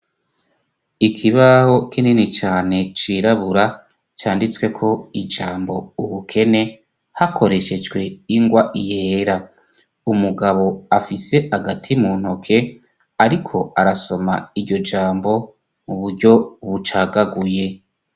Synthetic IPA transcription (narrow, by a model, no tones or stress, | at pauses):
ikʰiβaho̞kʰenenit͡ʃaːne̞t͡ʃiɾaβuɾa | t͡ʃaːndit͡swe̞kʰo̞id͡ʒaːmbo̞uβukʰe̞ne̞ | hakʰo̞ɾe̞ʃe̞d͡ʒwe̞iŋɡwaʔijeːɾa | umuɡaβo̞afise̞haɡatʰimuːn̥ho̞kʰe̞ | aɾikʰo̞aɾaso̞maiɾɟo̞d͡ʒaːmbo̞ | muβuɾɟo̞βut͡ʃaːɡaɡuje̞